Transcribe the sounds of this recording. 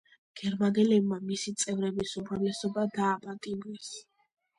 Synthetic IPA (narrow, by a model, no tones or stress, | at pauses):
ɡ̥ɛɾmanɛlɛbmamisit̪sʼɛvɾɛbisumɾavlɛsɔbad̪aːpʼat̪ʼimɾɛs